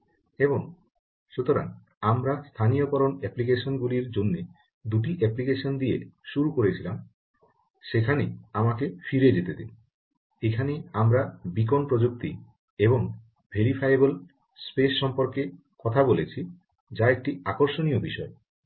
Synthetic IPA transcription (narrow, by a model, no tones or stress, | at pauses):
eβoŋ | ʃut̪oɾa̰ŋ | amɾast̪ʰanijokɔɾonɛplik̬eʃonɡuliɾd͡ʑonːe | d̪uʈ̬iʔɛplikeʃond̪iḛʃuɾukoɾet͡ɕʰilam | ʃekʰaneamakefiɾed͡ʑet̪ed̪ḭn | ekʰaneamɾabik̬onpɾod͡ʑuk̚t̪i | eboŋ | bʱeɾifʰajebol | spesːɔmpoɾke | kɔt̪ʰabolet͡ɕʰi | d͡ʑaek̚ʈiakoɾʃonijobiʃɔe